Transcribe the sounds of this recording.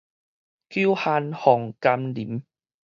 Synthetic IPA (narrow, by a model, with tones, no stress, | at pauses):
kju˦ha˧nhɔ˨˩ŋka˧mli˨˦m